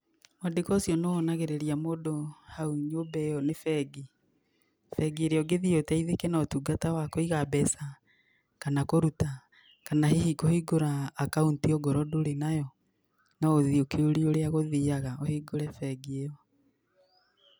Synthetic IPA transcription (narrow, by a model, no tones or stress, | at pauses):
mwadekɔsjɔneɔnaɣeɾeɾiamoːdohauɲoːbɛjɔnefɛɡi | fɛɡieɾeɔɡeðiotɛiðekɛnaotuɡatawakɔiɣabɛsa | kanakoɾuta | kanahehikohiɡoɾaːkauntiɔɡɔɾɔdoɾenajɔ | naoðiokeoɾioɾeaɣoðiaɣaohiɡoɾɛfɛɡiejɔ